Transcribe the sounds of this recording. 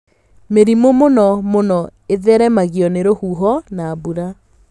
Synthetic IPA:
meɾimomonɔmonɔeðɛɾɛmaɣiɔneɾohuɦɔnaːbuɾa

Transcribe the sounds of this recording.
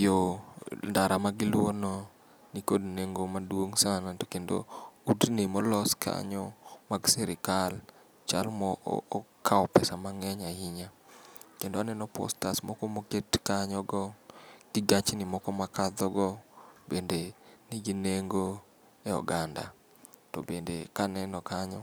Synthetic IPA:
jondaɾamaɡɪlwonɔ | nikodneŋɡomadwoŋsanatokendo̰udnimɔlɔskʰa̰ɲɔmaɡsɛɾɪkal | t͡ʃalmɔːkʰaɔpɛsamaŋɛɲaɪɲa | kendoanɛnɔpɔ̰stasmɔkɔmoketkaɲɔɡɔɡ̥ɪɡat͡ʃnimɔkɔmakad̪ɔɡɔbendeniɡineŋɡo | eɔ̰ɡanda̰ | tɔ̰bendekanɛnɔkaɲɔ

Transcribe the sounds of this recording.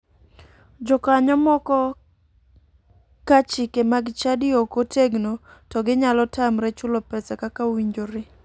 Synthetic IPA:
d͡ʒɔkaɲɔmɔkɔ | kat͡ʃikemaɡɪt͡ʃadɪokoteɡnotɔɡɪɲalɔtamɾɛt͡ʃʊlɔpɛsɛkakawiɲd͡ʒoɾɪ

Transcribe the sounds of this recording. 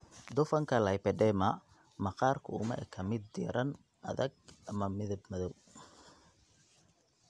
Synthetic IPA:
d̪ʊfɐŋkʰɐlɐjpɛɖɛːmɐ | mɐqɑːrkʰʊʊmɐ̰ʔɛ̰kʰɐmɪd̪ːɪ̰ːɾʔɐn | ʔɐ̰ðɐɡ̚ʔɐmɐmɪðɐbmɐðɔw

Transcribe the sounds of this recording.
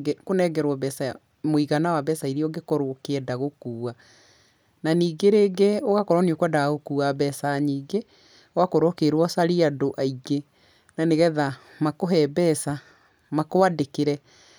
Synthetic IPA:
ɡekonɛɡɛɾwɔbɛsa | moiɣanawabɛsaiɾiɔɡekoɾokeɛdaɣokuːa | naniːɡeɾeːɡeoɣakɔɾwɔniokwadaɣokuabɛsaɲiːɡe | ɔwakoɾokeɾwɔsaɾiadoʔaiɡe | naneɣɛða | makoɦɛbɛsa | makoadekeɾɛ

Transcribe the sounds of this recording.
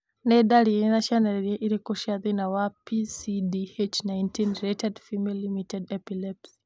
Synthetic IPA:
nɛɗaɾinaʃanaɾiɾieʔiɾikuʃiaðinawapisidiet͡ʃnaintinɾetɛdfimilimitɛdɛpilɛps

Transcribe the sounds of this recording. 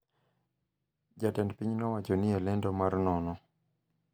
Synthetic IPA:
d͡ʒatɛndpiɲnɔwat͡ʃɔnialɛndɔmaɾnɔnɔ

